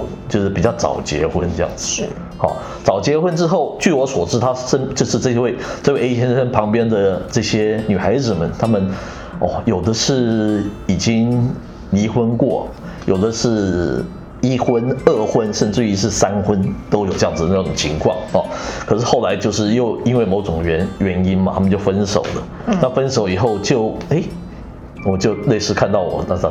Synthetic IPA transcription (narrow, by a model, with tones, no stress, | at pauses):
t͡ɕjo˥˧ʂ̩˥pi˨˩t͡ɕjɑ˥˩ʊt͡sɑ̰˨˩ʊt͡ɕjɛ̰˧˥xwə˦˥nʈ͡ʂɤ˥˧jɑ̰˥˩ŋd͡z̩˩˥ | xɑ̰˥˨˩ | t͡sɑ˨˩ʊt͡ɕjɛ˧˥xwə˥nʈ͡ʂɻ̩˥xo˥˩ʊt͡ɕy˥˩wɔ˧˥swɔ˨˩ʈ͡ʂɻ̩˥˩t̪ʰa˥ʂə˥t͡ɕjo˥˧ʊʂɻ̩˥˧ʈ͡ʂɤ˥˧ɕjɛ˥we˥˧ɪt͡swe˥˩˧ɕʰjɛ˥n˥ə˥npʰɑ˧˥ŋpjɛ˥nd̪ə˨ʈ͡ʂɤ˥˩ɕjɛ˥ny˨˩xa˧˥ɪd͡zɹ̩˨˩mə˨nt̪ʰa˥mə˨n | ɔ̰˥˧jo˨˩ʊd̪ə˦ʂɻ̩˥˩i˨˩t͡ɕi˥ŋ | li˧˥xwə˥nkwɔ̰˥˨˩ | jo˨˩ʊd̪ə˨ʂɻ̩˥˩ | i˥xwə˥nɤ˥˩xwə˦˥nʂə˥˧nʈ͡ʂɻ̩˥˧i˥ʂɻ̩˥˩sa˥nxwə˥nt̪o˥ʊjo˨ʊʈ͡ʂɤ˧jɑ˥ŋd͡z̩ɹ̩˨˩də˩na˥˩ʊ˨˩ŋt͡ɕʰi˧˥ŋkʰwɑ˥˩ŋɐ˨˩kʰɤ˨˩ʂɻ̩˥˧xo˥˩ʊla˧˥ɪt͡ɕjo˥˧ʊʂ̬ɻ̩˥˧jo˥˩ʊi˥nwe˥˩ɪmo˧˥ʊʈ͡ʂʊ˨˩ŋɥɛ˧˥nɥɛ˧˥ni˥nmɐ˨t̪ʰa˥mə˨t͡ɕo˥˩ʊfə˦˥nʂo̰˨˩ʊlə˦ | na˥˨fə˥nʂo˨˩ʊi˨˩xo˥˧ʊt͡ɕjo˥˩ʊe˥˩ɪ | wɔ˨˩t͡ɕjo˥˧ʊle˥˧ɪʂɻ̩˥˧kʰa˥˧nt̪ɑ˥˩ʊwɔ̰˨˩t̪a˥˧˩